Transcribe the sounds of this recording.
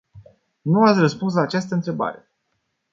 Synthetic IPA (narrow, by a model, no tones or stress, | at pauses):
nuat̪sʲrəspuns̬laːt͡ʃast̪əɨnt̪ɾe̞ba̰ɾe̞